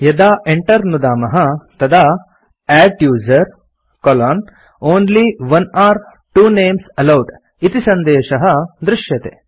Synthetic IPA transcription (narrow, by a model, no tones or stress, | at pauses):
jɐd̪aːʔeɳʈɐɾnud̪aːmɐɦɐt̪ɐd̪aː | æːʈjuːzɐɾ | kɔlaːn | oːnliʋɐnaːɾ | ʈuːneːmsɐlɐwʈ | it̪isɐnd̪eːʃɐɦɐd̪ɾɪʂjɐt̪ḛː